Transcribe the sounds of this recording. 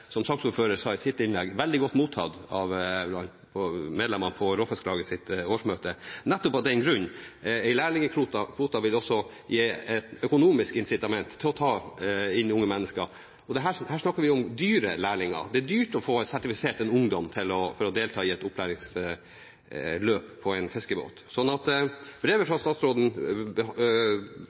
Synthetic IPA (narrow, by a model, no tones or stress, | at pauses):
sɔmsɑksuːɾføːɾəɾsɑːɪsɪt̪ːɪnlɛɡʋɛld̪ɪɡɔt̪ːmuːt̪ʰɑ̰d̪ɑʋlɑn | pʰɔmeːd̪lɛmənpʰɔɾoːfɛsklɑːɡəsɪt̪oːʂmøːt̪ənɛt̪ːɔpɑd̪ɛnɡɾʉɲːɛɪlæːɭɪŋəkʰɾuːt̪ɑkʰɾuːt̪ɑʋɪlɔsːɔ | jeːɛt̪œkʊnuːmɪskɪnsɪt̪ɑmɛnt̪ʰːɪlɔt̪ʰɑːɪnːʊŋːəmɛnːəskəɾ | ɔd̪ɛɦæːhæːʂɳɑkːəɾʋɪʊmd̪yːɾəlæːɭɪŋə̰ɾd̪ɛd̪yːʈɔfoːsæʈɪfɪseːʈɛnʊŋd̪ɔmt̪ʰɪlɔfɔɾɔd̪eːlt̪ʰɑːɪɛt̪ʊpʰlæːɾɪŋs | løːppʰːɔɛɪnfɛskəbo̰ːt̪sɔnːɑt̪b̥ɾeːʋəfɾɑst̪ɑːt̪sɾoːd̪n̩b